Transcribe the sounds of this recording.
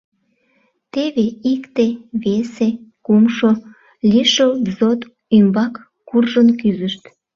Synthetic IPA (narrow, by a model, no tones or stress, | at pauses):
t̪eβeikt̪eβesekumʃo | liʃobzot̪ | ymbɑkː | urʒənkyzəʃt̪